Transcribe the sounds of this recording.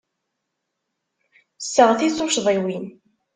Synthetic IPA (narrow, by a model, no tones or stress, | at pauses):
sːəʁθit͡sˤːʊʃðˤiwin